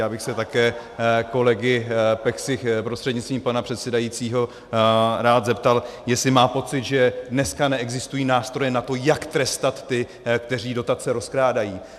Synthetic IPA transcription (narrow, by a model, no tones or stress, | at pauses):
jaːbɪxsɛt̪akɛː | ko̞lɛɡɪpɛksɪxpɾost̪r̥ɛdɲɪt͡st̪viːmpanapr̥ɛt̪sɛdajit͡siːɦo̞ | ɾaːt̪zɛpt̪aljɛslɪmaːpo̞t͡sɪt̪ʒɛdnɛskanɛɛɡzɪst̪ujiːnaːst̪ɾo̞jɛnat̪o̞jakt̪ɾɛst̪at̪ːɪ | kt̪ɛr̝iːdo̞t̪at͡sɛɾo̞skɾaːdajiː